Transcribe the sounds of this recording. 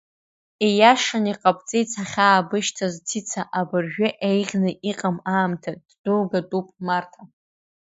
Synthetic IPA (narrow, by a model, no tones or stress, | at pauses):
ejaʂaniqʼapʼt͡sʼejt͡sʰaχʲaːbɨʃtʰaztʰit͡sʰaʔabɨrʒᶣʊʔejʁʲnɨʔiqʼamaːmtʰad̥durɡatʼupʼmartʰa